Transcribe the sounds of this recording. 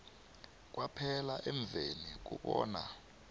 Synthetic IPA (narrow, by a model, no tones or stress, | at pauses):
k̬wʔapʰɛlaʔɛɱb̪vʱenik̬ṵɓɔːna